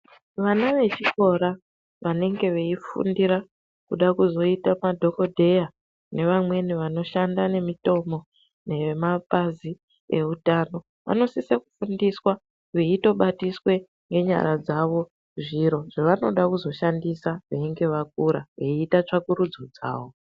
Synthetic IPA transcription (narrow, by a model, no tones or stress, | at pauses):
ʋanaʋe̞t͡ʃiko̞ɾa | ʋane̞ŋɡe̞ʋe̞ifṵndiɾa | kuɗakuzo̞itamadʱo̞ko̞dʱe̞ja | ne̞ʋamwe̞niʋano̞ʃandane̞mito̞mo̞ | ne̞mapazi | e̞utaːno̞ | ʋa̰no̞siseku̥fundiswa | ʋeito̞ɓatiswe̞ | ŋɡe̞ɲa̰ɾad͡zaʋo̞ | ʐiɾo̞ʐ̥eʋano̞ɗakuzo̞ʃandisaʋeiŋɡe̞ʋak̚uɾa̰ʋeiːtat͡ʂakuɾud͡zod͡za̰ːʋo̞